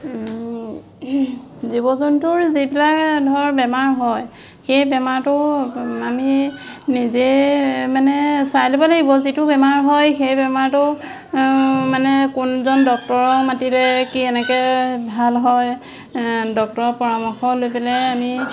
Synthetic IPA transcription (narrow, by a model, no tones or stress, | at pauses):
zibɔzɔntʊɹzibilakdʱɔɹbɛmaɹɦɔj | xejbɛmaɹtʊaminizemanɛsajlopalaɡibɔzitʊbɛmaɹɦɔjxejbɛmaɹtʊ | manɛkʊnzɔndɔk̚tɔɹɔmatilɛkiɛnɛkɛbʱalɦɔj | dɔk̚tɔɹɔpɔɹamɔxɔlojpɛlɛami